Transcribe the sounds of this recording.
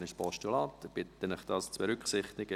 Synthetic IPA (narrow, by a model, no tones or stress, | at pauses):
nɪʃpɔʃtulɑːt̪əb̥ɪt̪ːənɪχd̥̪ɑst͡sb̥eɾʏkχsɪχt̪ɪɡ̥ə